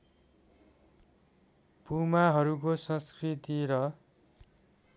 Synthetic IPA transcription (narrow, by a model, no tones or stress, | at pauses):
b̥ʱumaɦʌɾuk̬osʌ̃skrit̪iɾʌ